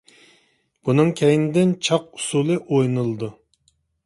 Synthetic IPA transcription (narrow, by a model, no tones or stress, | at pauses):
b̥unɨŋkʲʰɛjnɪd̪ɪnt͡ʃʰɑq̚u̥sulˠɨʔojnɨlˠɨd̪u